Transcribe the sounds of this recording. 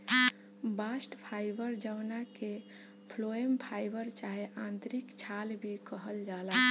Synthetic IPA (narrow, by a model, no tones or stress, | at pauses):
basʈpʰajbəɾd͡ʒəwnake | pʰloempʰajbəɾt͡ʃaɦeʔãnt̪ɾikt͡ʃʰalbʱikəɦəld͡ʒala